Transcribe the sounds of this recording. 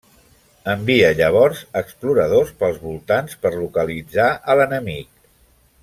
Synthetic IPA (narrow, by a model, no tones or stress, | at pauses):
əmbiəʎəβ̞ɔɾzəkspluɾəðospəlˠzβulˠt̪anspəɾlukəlid͡zaʔələnəmik